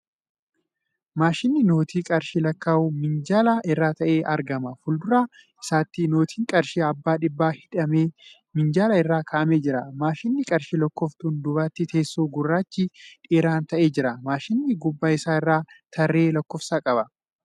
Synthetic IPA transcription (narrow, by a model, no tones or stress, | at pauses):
maːʃɪnːɪno̞ːt̪ʰiːkʼɐɾʃɪlɐkːaːuːmɪnd͡ʒaːlɐʔɪrːaːt̪ɐʔeːʔɐɾɡɐmɐfʊld̪ʊɾaː | ɪsaːt̪ːɪno̞ːt̪ʰiːŋkʼɐɾʃiɐbːaːᶑɪbːaːhɪᶑɐmeː | mɪnd͡ʒaːlɐɪrːaːkʰɐʔɐmeːd͡ʒɪɾɐmaːʃɪnːɪkʼɐɾʃilɐkːɔft̪und̪ʊβaːt̪ːɪt̪ʰe̞ːsːoːɡʊrːaːt͡ʃːiᶑʼeːɾaːnt̪ɐʔe̞ːd͡ʒɪɾɐmaːʃɪnːɪɡʊbːaːɪsaːɪrːaːt̪ʰɐrːe̞ːlɐkːɔfsaːkʼɐbɐ